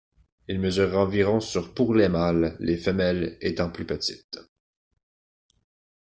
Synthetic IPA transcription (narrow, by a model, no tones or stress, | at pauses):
ilməzyːʁɑ̃viʁɔ̃syʁpuʁlɛmalːefəmɛlet̪ɑ̃plypət̪it̪